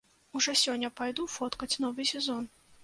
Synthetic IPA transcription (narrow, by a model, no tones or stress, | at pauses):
uʐɔsʲɔnʲːɐpajd̪ufɔt̪kɐt͡sʲnɔvɨsʲɛzɔn